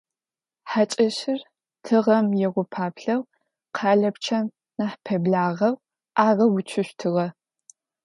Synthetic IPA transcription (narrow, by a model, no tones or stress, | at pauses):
ħat͡ʃʼɐɕɪr | tʰɨʁɐmjɛʁʷʊpʰaːpɬɐw | qʰɑːɮɐpt͡ʃʰɐm | naħpʰɐbɮaːʁɐw | aːʁɐwʊt͡ʃʰɪɕʷtʰɨʁɐ